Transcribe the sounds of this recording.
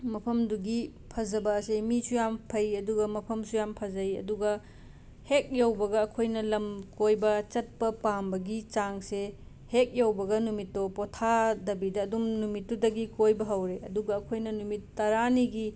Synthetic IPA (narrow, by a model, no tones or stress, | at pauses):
mɐpʰɐmduɡi | pʰɐzɐbɐsemisujampʰɐjɐduɡɐmɐpʰɐmsujampʰɐzɐjɐ̰duɡɐ | hek̚jawbɐɡɐːkʰojnɐlɐmkojbɐt͡ʃɐt̚pɐpaŋbɐɡit͡ʃaŋse | hek̚jawbɐɡɐnumitːopɔtʰadɐbidɐːdumnumitːudɐɡikojbɐɦɐwɾeʔɐ̰duɡɐːkʰojnɐnumitːɐɾaniɡi